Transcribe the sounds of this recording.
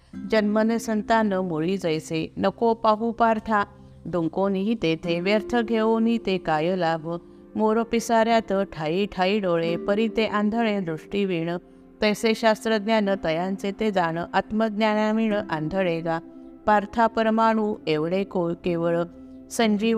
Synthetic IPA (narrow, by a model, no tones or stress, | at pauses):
d͡ʑənmənesənt̪anəmuɭid͡zəjsenəkopaɦupaɾt̪ʰa | ɖ̪uŋkoniɦit̪et̪ʰeʋjəɾt̪ʰəɡʱeʋonit̪ekajəlaʋ | moɾopisaɾjat̪əʈʰaiʈʰaiɖoɭepəɾit̪eʔand̪ʱəɭed̪ɾuʂʈiʋiɳə | t̪əjseɕast̪ɾəɡnjanət̪əjãnt͡set̪ed͡zaɳ̃əʔat̪məɡnjanaʋiɳʔand̪ʱəɭeɡapaɾt̪ʰapəɾəmaɽ̃uːeʋɽekojkeʋəɭ | səɲd͡ʑi